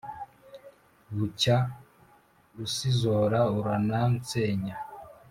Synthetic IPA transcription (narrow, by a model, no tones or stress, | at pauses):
βuca | usizoɾauɾanant͡seːɲa